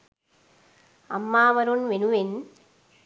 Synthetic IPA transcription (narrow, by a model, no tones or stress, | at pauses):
ɐmːaːʋɐɾonʋenuʋen